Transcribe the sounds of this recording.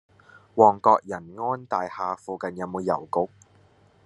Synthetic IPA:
wɔː˨˩ŋkɔː˧k̚jɐ˨˩nŋɔː˥nt̪aː˨jhaː˨fuː˨kɐ˨njɐ˨˧wmo˨˧wjɐ˨˩wkʊ˨˧˥k̚

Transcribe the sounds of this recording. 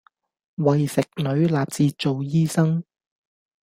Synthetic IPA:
wɐ˨jsɪ˨k̚nɵ˨˧˥ɥlaː˨p̚t͡siː˨˧t͡so˨wjiː˥sɐ˥ŋ

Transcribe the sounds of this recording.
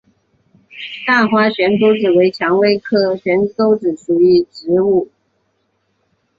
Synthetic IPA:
t̪a˥˩xwa˥ɕɥɛ˧˥nko˥ʊt͡sɻ̩˨˩we˧˥ɪt͡ɕʰjɑ˧˥ŋwe˥ɪkʰɤ˥ɕɥɛ˧˥nko˥ʊt͡sɻ̩˨˩ʂu˨˩y˧˥˩ʈ͡ʂɻ̩˧˥u˥˩

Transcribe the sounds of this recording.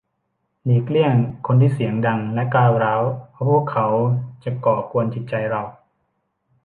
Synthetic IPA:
niː˨˩kli˥˩əŋkʰo˧nt̪ʰiː˥˩si˩˦əŋda˧ŋlɛ˦˥klaː˥˩wɾaː˦˥wʰpʰu˥˩əkʰːa˦˥wt͡ɕa˨˩kɔː˨˩kʰu˧ənt͡ɕʰi˨˩t̪̚t͡ɕa˧jɾa˧w

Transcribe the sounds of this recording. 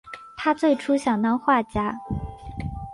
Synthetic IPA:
t̪ʰa˥t͡swe˥˩ɪʈ͡ʂʰu˥ɕjɑ˨˩ŋnɑ˥ŋxwa˥˩t͡ɕja˥

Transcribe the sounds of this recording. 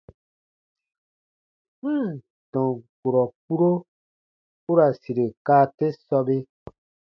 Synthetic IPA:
dɔ̃˨ɡo˨ɾɔ˨k͡pu˦ɾo˦ | u˦ɾa˨si˨ɾe˨kaː˦te˦sɔ˧be˦

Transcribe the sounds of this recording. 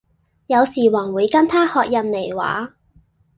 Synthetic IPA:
jɐ˨˧wsiː˨˩wɐː˨˩ŋwuː˨˧jkɐ˥nt̪ʰaː˥hɔː˧k̚jɐ˨nle˨˩jwa̰ː˨˥

